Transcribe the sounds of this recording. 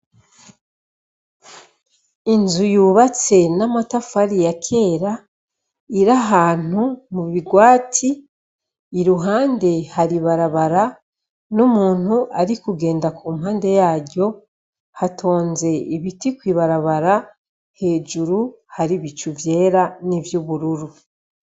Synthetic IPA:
inzujuːβat͡se̞namatafaɾijakʰe̞ːɾa | iɾaɦaːn̥umuβiɡwaːtʰiː | ɾuɦaːnde̞haɾiβaɾaβaɾa | nomuːn̥huʔaɾikuɡe̞ːndakuːmhaːnde̞jaːɟo̞ | hatʰo̞ːnze̞iβitikwiːβaɾaβaɾa | he̞ːd͡ʒuɾu | haɾiβit͡ʃuvje̞ːɾanivjuβuɾuɾu

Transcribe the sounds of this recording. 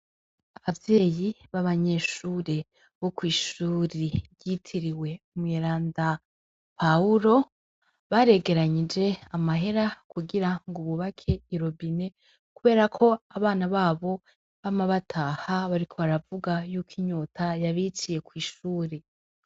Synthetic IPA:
aβavje̞ːjiβaβaɲe̞ʃuːɾe̞ | βo̞kwiːʃuːɾiβɟitʰiɾiwe̞umŋeːɾaːnda | pauɾo̞ | βaɾe̞ɡe̞ɾaɲid͡ʒe̞amaɦe̞ɾakʰuɡiɾaŋɡuβuβakʰe̞iɾo̞bine̞ | kuβe̞ːɾakʰo̞aβaːnaβaːβo̞ | βamaβatʰaːhaβaɾikʰo̞βaɾavuɡajuːkʰiɲo̞ːtʰajaβit͡ʃije̞kwiːʃuːɾe

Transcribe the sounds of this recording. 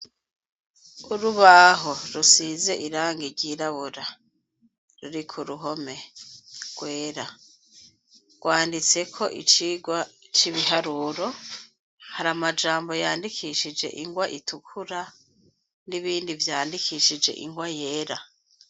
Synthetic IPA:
uɾuβaɦoɾusize̞ʔiɾaːŋɡiɾɟiːɾaβuɾa | ɾuɾikʰuɾuɦo̞me̞ | ɡ̥we̞ːɾa | ɡ̥waːndit͡se̞kʰo̞ʔḭt͡ʃiɡwat͡ʃiβiɦaɾuːɾo̞ | haɾamad͡ʒaːmbo̞jaːndikʰiʃid͡ʒe̞̰ʔiŋɡwaʔitʰukʰuɾa | niβiːndivjaːndikʰiʃid͡ʒe̞̰ʔḭŋɡwaje̞ːɾa

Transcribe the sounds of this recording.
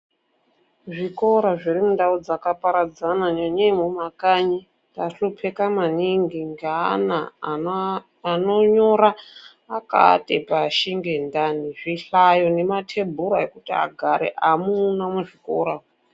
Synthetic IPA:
ʐikoɾaʐiɾimundaud͡zakapaɾad͡zanaɲoɲemumakaɲi | ndaɬupʰekamaniŋɡiŋɡeana | noɲo̞ɾaː | ka̰tepaʃiŋɡe̞ndaniʐiɬajo̞ne̞matʰe̞bʱuɾaekutia̰ɡʱaɾḛʔamuːnamuʐiko̰ːɾa

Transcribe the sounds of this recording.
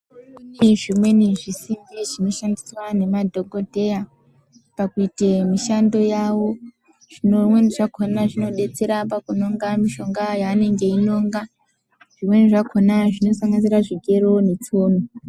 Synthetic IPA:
iʐimwe̞niʐisimbiʐino̞ʃandiswane̞madʱo̞ɡʱo̞dʱe̞ja | pakuitemiʃando̞jawo̞ | ʐ̥inomwe̞niʐakʰonaʐino̞ɗe̞t͡se̞ɾapakuno̞ŋɡamiʃo̞ŋɡajaːne̞ŋɡe̞ino̞ːŋɡa | ʐ̥imwe̞niʐakʰonaʐino̞saŋɡaziɾaʐiɡʱe̞ɾo̞net͡soːno

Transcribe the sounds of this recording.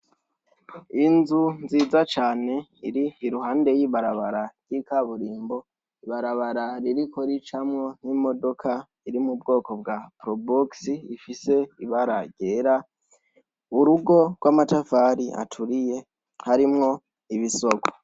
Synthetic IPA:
inzunziːzat͡ʃaːne̞iɾiiɾuɦaːnde̞jiːβaɾaβaɾaɾɟ̥ikaβuɾiːmbo̞ | iβaɾaβaɾaɾiɾiko̞ɾit͡ʃamŋo̞n̥imo̞do̞kʰa | iɾimubɡo̞ːko̞b̚ɡapɾoboksiifise̞iβaɾaɟe̞ːɾa | uɾuɡo̞ɾɡwamatafaɾiʔa̰tʰuɾije̞ | haɾimŋo̞ | iβisoko̥

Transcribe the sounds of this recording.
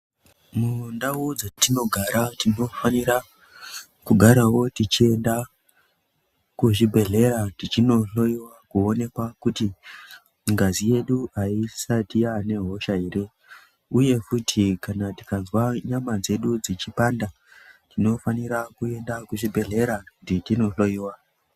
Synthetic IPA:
mundawod͡zatino̞ɡʱaɾatino̞fanira | kuɡʱaɾawo̞tit͡ʃie̞nda | kuʐibʱe̞ɮe̞ɾatit͡ʃino̞ɬo̞iwakuone̞kwakuti | ŋɡazije̞ɗuaisatiane̞ɦo̞ʃaiɾe̞ | uje̞futʰikanati̥kazwaɲamad͡ze̞ɗud͡zit͡ʃipanda | tino̞faniɾakue̞ndakuʐibʱe̞ɮe̞ɾakutitino̞ɬo̞iːwa

